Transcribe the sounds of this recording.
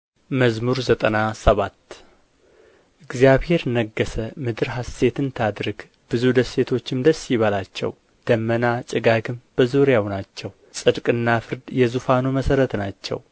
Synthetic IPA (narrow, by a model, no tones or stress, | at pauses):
məzmuɾzət̪ʼənasəβat̪ː | ʔɨɡzjaβhe̞ɾnəɡːəsəmɨd̪ɨɾɦase̞t̪ʰɨnt̪ʰad̪ɾɨɡ | b̥ɨzud̪əsːe̞t̪ʰo̞t͡ʃːɪmd̪əsːiβalat͡ʃːɛ̰w | d̪̥əmːənat͡ʃʼɪɡaɡɨmb̥əzoɾjawnat͡ʃːɛw | sʼɨd̪kʼɨnːafɨɾd̪jɛzufanoməsəɾət̪nat͡ʃːɛ̰w